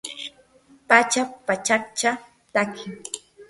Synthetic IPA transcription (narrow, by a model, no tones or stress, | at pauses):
pat͡ʃapat͡ʃak̚t͡ʃa | t̪akʰɪŋ